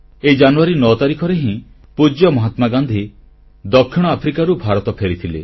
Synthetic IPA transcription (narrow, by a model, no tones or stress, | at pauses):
ed͡ʒanuaɾinɔt̪aɾikʰɔɾeɦĩ | pud͡ʒjɔmɔɦat̪maɡãnd̪ʱi | d̪ɔkʰːiɽ̃ɔapʰɾikaɾubʱaɾɔt̪ɔpʰeɾit̪ʰilḛ